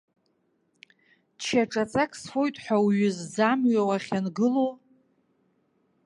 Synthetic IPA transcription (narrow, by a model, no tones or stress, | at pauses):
t͡ʃʰaʈ͡ʂʼat͡sʼakʼsfo̞jtʼħʷᶣawɥʏzd͡zamɥawaχʲanɡɨlo